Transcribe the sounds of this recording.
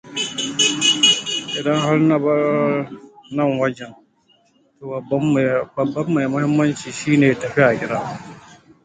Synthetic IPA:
ʔɪ˨dɐ˦ŋha˦ɾnɐ˦bɐ˦ | nɐ˦ŋwɐ˦d͡ʒɛ˨n | to˨bbːbɐ˨bːɐ˦mːa˨jmʊ˦hɪ˦mːɐ˦nt͡ʃiː˨ʃiː˦neː˨tɐ˨ɸi˦a˨kʲɪ˦ɾaː˦

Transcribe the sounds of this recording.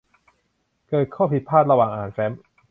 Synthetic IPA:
kɤː˨˩t̪̚kʰɔː˥˩pʰi˨˩t̪̚pʰːaː˥˩t̪̚ɾa˧waː˨˩ŋʔaː˨˩nfɛ˦˥m

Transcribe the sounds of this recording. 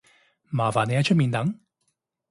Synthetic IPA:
maː˨˩faː˨˩ne˨˧jaː˧˥t͡ʃʰɵ˥t̚mi˨˧nt̪ɐ˨˥˦ŋ

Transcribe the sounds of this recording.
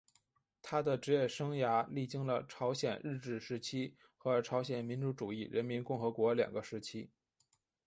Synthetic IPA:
t̪ʰa˥d̪ə˨ʈ͡ʂɻ̩˧˥jɛ˥˩ʂɤ˥ŋja˧˥li˥˩t͡ɕi˥ŋlə˨ʈ͡ʂʰɑ˧˥ʊɕjɛ̰˨˩nɻɻ̩˥˧ʈ͡ʂɻ̩˥˩ʂɻ̩˧˥t͡ɕʰi˥ | xɤ˧˥ʈ͡ʂʰɑ˧˥ʊɕjɛ˨˩nmi˧˥nʈ͡ʂu˧˥ʈ͡ʂu˨˩i˥˩ɻə˧˥nmi˧˥nkʊ˥˩ŋxɤ˧˥kwɔ˧˥ljɑ̰˨˩ŋɡə˦ʂɻ̩˧˥t͡ɕʰi˥

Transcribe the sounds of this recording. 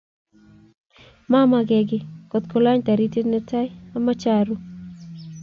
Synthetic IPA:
ma˦ma˦ɡɛ˨ɡɪ˦kɔ˨t̪ko˦la˦ɲta˨ɾi˦te˦nɛ˦ta˦ja˦ma˦t͡ʃa˦ɾu˦

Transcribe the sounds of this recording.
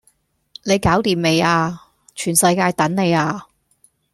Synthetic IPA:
ne˨˧jkaː˨˥wt̪iː˨mme˨˧jaː˧ | t͡ʃʰyː˨˩nsɐ˧jkaː˧jt̪ɐ˨˥nne˨˧jaː˧

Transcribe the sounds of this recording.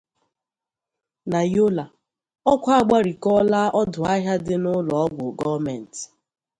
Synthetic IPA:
na˨jo˦la˨ | ɔ˦kʷa˦ɡ͡ba˦ɾi˨kɔ˦laː˦ʔɔ˦dʊ˨a˦ɦja˦dɪ˦nʊ˦lɔ˨ɔ˦ɡʷʊ˨ɡɔ˦vmɛ˨n̩˨t

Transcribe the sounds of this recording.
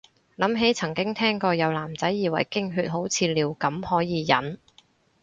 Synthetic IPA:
lɐ˨˥mɦe˨˥jt͡sʰɐ˨˩ŋkɪ˥ŋt̪ʰɛː˥ŋkɔː˧jɐ˨˧wlaː˨˩mt͡sɐ˨˥jːiː˨˩wɐ̰˨˩jkɪ˥ŋɦyː˧t̚ɦo˨˥wt͡sʰiː˧liː˨˩wkɐ˨˥mhɔː˨˥jiː˨˧jɐ˨˥n

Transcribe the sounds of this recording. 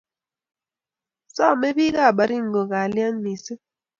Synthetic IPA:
sa˦˨me˦ɓi˦ka˦˨ɓa˨ɾi˦˨ŋ̩˨ɡɔ˨ka˨li˦a˦n˦mi˨si˦

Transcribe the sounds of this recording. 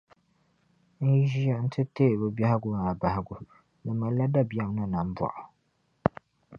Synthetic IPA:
n̩˦ʒi˦ɛ˦n̩˦tʰɨ˦teː˦˨bɨ˨ba˦hɪ˦ɡʊ˦ma˨a˨ba˨hɪ˨ɡʊ˨ | nɨ˨ma˨la˦da˦bi˨a˨m˦na˦na˨m̩˦ba̰˨ʔʊ˨

